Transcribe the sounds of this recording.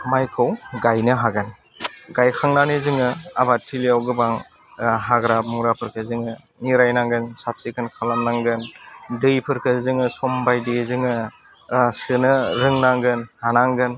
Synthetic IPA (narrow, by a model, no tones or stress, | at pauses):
majkʰɯwɡajnɯɦaɡɯn | ɡajkʰaŋnanɯzɯŋɯabatʰilijawɡɯbaŋ | ɦaɡɾap̚muɾapʰɯɾkʰɯzɯŋɯ | niɾajnaŋɡɯnsap̚sikʰɯnkʰalamnaŋɡɯndɯjpʰɯɾkʰɯzɯŋɯsɔmbajdezɯŋɯ | sɯnɯɾɯŋnaŋɡɯnhanaŋɡɯn